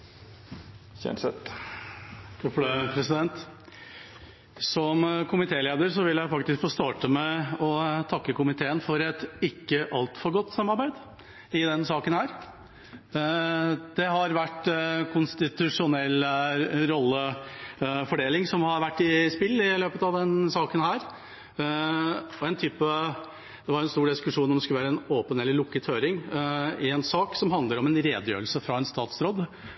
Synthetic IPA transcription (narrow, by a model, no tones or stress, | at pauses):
çɛ̰nsɛt̪ | t̪ʰɔpləpʰɾɛsɪd̪ɛnt̪ | sɔmkʰʊmɪt̪ʰeːleːd̪əɾsɔʋɪljæɪfɑk̚t̪ɪskfoːst̪ɑːʈəmɛɔt̪ʰɑkːəkʊmɪt̪ʰeːənfɔɾɛt̪ɪkːəʔɑlt̪fɔɾɡɔt̪ːsɑmːɑɾbæɪd̪ | ɪd̪ɛnsɑːkənhæːɾ | d̪̥ɛɦɑɾʋæʈːkʰʊnst̪ɪt̪ʉʂʊnɛlːɾɔlːə | fɔɖeːlɪŋsɔmhɑɾʋæʈːɪspɪlːɪløːpət̪ɑʋd̪ɛnsɑːkənhæːɾ | ɔɛɪnt̪ʰyːpə | d̪̥ɛʋɑɾɛnst̪uːɖɪskʉʂuːnɔmd̪ɛskʉlʋæːɾəɛnoːpənɛlːəɾlʊkːət̪ʰhøːɾɪŋɪɛnsɑːksɔmɦɑnd̪ləɾɔmɛnɾeːd̪jø̰ːɾlsəfɾɑɛnst̪ɑːt̪sɾoːd̪